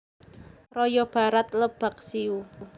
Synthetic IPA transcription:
rɔjɔb̥a̤ɾat̪̚ləb̥ak̚siu

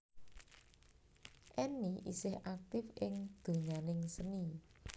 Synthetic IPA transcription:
ʔɛniʔḭsɪhʔak̚t̪ɪfʔɪŋd̪̥o̤ŋanɪŋsəni

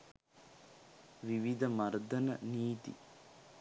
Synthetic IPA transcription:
ʋiʋid̪ʱɐmɐɾd̪ɐnɐ̰niːt̪ḭ

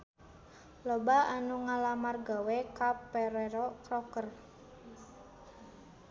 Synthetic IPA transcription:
lobaanuŋalamarɡawekapeɾeɾɔkɾɔkər

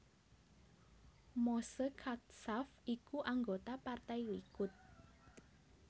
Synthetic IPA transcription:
mosəkʰat̪safikuʔaŋɡot̪apart̪ajwikʊt̪̚

